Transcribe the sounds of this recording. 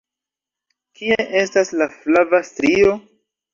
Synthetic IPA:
kieʔe̞staslaflavastɾio̞

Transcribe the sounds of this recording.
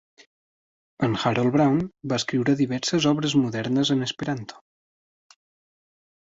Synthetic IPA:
ənxaɾolˠβɾawnbaəskɾiwɾəðiβ̞ɛɾsəzɔβɾəzmuðɛɾnəzənəspəɾant̪ʰo̥

